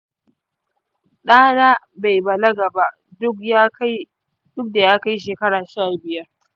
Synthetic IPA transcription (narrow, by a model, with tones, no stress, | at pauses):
ɗaː˦naː˦ | ba˨jbɐ˨lɐ˦ɡɐ˨ba˦ʔ | dʊ˦kja˦k | dʊ˦k̚da˨jaː˦ka˦jʃ̬eː˨kɐ˦ɽaː˨ʃa˦˨bɪ˨jɐ˦r